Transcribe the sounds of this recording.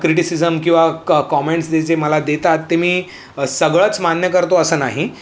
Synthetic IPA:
kɾiʈisizəmkĩw̃ʋakɔmeɳʈsd̪et͡seməlad̪et̪at̪ːemiː | səɡɭət͡smanjəkəɾt̪oəsəːnaɦi

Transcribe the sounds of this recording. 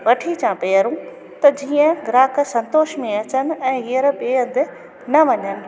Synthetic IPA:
ʋɐʈʰit͡ɕãpeːəɾũ | t̪ɐd͡ʑiːə̃ɡɾaːksɐ̃nt̪oːʃmẽɐt͡ɕənɪ̆ɛ̃ːɦiəɾbeːə̃nd̪ɪ̆ | nɐʋɐɲənɪ̆

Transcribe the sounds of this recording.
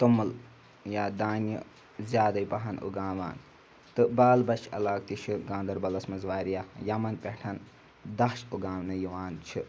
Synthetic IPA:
t̪umːul | jaːd̪aːnjḭ | zjaːd̪ɐjpɐɦɐnṵɡãːʋa̰ːn | t̪ɨbaːlbɐt͡ʃʰɐ̰laːk̚t̪it͡ʃʰɨɡãːnd̪ɐɾbɐlɐsmɐzʋaːɾijajɐmɐnpʲeʈʰɐn | d̪ɐʃuɡaːmnɨjiʋaːnt͡ʃʰi

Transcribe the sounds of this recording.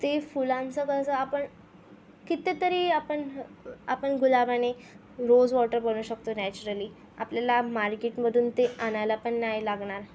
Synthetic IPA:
t̪efulamsəkəsəapəɳ | kit̪et̪əɾiːapəɳa̰pəɳɡulabane | ɾod͡zʋɔʈəɾbəɽ̃uːɕəkt̪onɛt͡ɕuɾəliː | a̰pljalamaɾkeʈməd̪ʱuːnt̪eanalapəɳːajlaɡɳaɾ

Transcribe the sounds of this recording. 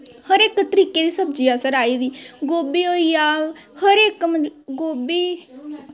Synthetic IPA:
həɾekːət̪ɾiːked̪isəb̚d͡ʒiːasəɾaːiːd̪iːɡoːbiːoːiaː | həɾekməɡoːbiː

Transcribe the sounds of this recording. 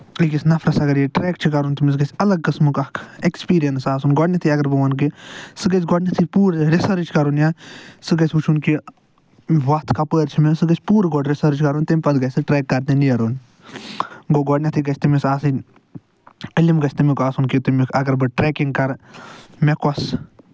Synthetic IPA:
iɡisnɐfɾɐsɐɡɐɾjiʈɾɛːk̚t͡ʃʰikɐɾunʲt̪imʲis̬ɡɐsʲɐlɐɡ̚kɨsmɨkɐkʰekspiːɾijɐnsaːsunɡɔɖnʲit̪ʰiɐɡɐɾbɨʋɐnk̬isɨɡɐs̬ʲɡɔɖnʲɐt̪ʰipuːɾɾesɐɾt͡ʃʰi̥kɐɾunjasɨɡɐsʲut͡ʃʰunki | ʋat̪ʰkapəːɾt͡ʃʰimesɨɡɐsʲpuːɾɡɔːɖɾesɐɾt͡ʃʰkɐɾuːnʲt̪ɐmʲpɐd̪ɡɐsɨʈɾeːkːɐɾt̪ẽnijɐɾoːn | ɡoɡɔɖnʲɐt̪ʰiɡɐt͡ʃʰʲt̪imisaːsɨnʲ | əlimɡɐt͡ʃʰʲt̪ɨmʲikaːsunkit̪imʲikʰɐɡɐɾbɨʈɾeːkiŋɡkɐɾ | mekɔs

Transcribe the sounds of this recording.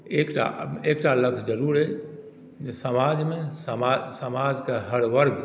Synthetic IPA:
eːkʈa̰eːkʈalɐkd͡ʒɐɾuːɾɦɛ | sɐmaːd͡ʒmẽsɐmasɐmaːd͡ʒkaɦɐɽʋɐɾɡ

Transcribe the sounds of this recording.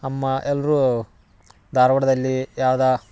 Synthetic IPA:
ɐmːɐʔɛlːɐɾu | d̪ʱaːɾɐʋɐɽɐd̪ɐlːijaːʋɐd̪ɐ

